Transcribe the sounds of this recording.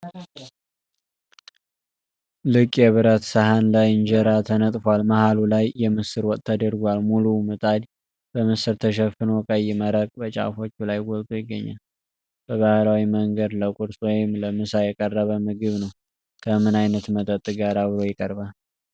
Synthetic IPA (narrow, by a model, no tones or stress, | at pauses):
lɨkʼjɛβɨɾət̪səhanlajɨnd͡ʒɛɾat̪ʰənət̪ʼfalmahalulajːɛmɨsɨɾwɔkʼt̪ʰːəd̪əɾɡʷalmulumɨt̪ʼad̪ | b̥əmɨsɨɾt̪ʰəʃ̬ɛfɨnokʼəjːɪməɾəkʼbət͡ʃʼa̰fo̞t͡ʃːulajɡɔlt̪ʼojɪɡːəɲːa̰l | b̥əβahlawiməŋɡəd̪ləkʼuɾsʼwɔjɪmləmɨsajɛkʼərːəβəmɨɡɨβnəw | kʰəmɨnajnət̪mət̪ʼət̪ʼːɨɡaɾaβɨɾo̞jɪkʼəɾbal